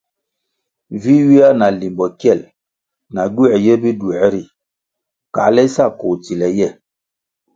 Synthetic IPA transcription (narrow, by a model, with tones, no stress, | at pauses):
vi˦ɥi˦a˦na˨li˨mbɔ˨kjɛ˦˨l | na˨ɡu˦ɛ˨jɛ˦bi˦du˨ɛ˨˦ɾi˨ | ka̰˨˦lɛ˦sa˦˨ko˨t͡si˨lɛ˨jɛ˦˨